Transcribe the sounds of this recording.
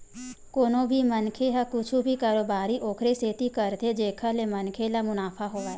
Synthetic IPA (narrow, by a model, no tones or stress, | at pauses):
koːnõbʱimənkʰeɦakʊt͡ʃʰubʱikaːɾoːbaːɾiʔoːkʰɾeseːt̪ikəɾt̪ʰed͡ʒeːkʰəlemənkʰelamʊnaːpʰaɦoːaɛ